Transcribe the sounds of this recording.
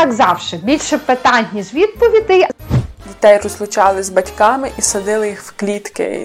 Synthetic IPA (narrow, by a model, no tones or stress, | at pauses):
ɑɡzɑwʃɪbʲilʲʃɛpɪt̪ɑnʲnʲiʒʋʲid̪̚pɔʋʲid̪ɪjdʲit̪ɛjrɔzlˠʊt͡ʃɑlˠɪzbɐtʲkɑmɪʔisɐd̪ɪlˠɪjixwklʲit̪kɪ̰